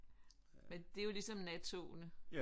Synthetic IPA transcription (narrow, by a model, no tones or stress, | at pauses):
mend̥e̝jo̝lisɒ̽mnæt͡sʰo̝nə